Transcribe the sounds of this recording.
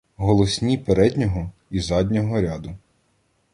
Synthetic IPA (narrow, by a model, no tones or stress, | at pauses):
ɦɔlˠɔsʲnʲipeɾɛd̪ʲnʲɔɦɔizɑd̪ʲnʲɔɦɔɾʲad̪ʊ